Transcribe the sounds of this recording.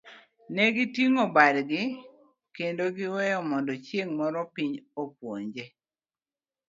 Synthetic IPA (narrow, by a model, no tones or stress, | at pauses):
nɛɡɪtiŋobadɡɪ | kendoɡɪwɛjɔmɔndɔt͡ʃjeŋmɔɾɔpiɲopwoɲd͡ʒe